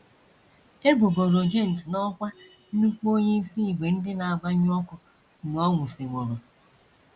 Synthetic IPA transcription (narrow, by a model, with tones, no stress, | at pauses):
e˦bo˨ɡo˨ɾo˨d͡ʒe˦˨n̩˨tnɔ˦kʷa˦ | u˦kʷu˦o˦ɲe˦fi˦i˨ɡ͡be˨n̩˦dɪ˦na˨a˨ɡ͡ba˦ɲ˦ɔ˦kʊ˦ | n˨ɔ˦ŋʷu˨si˨ŋʷo˨ɾo˨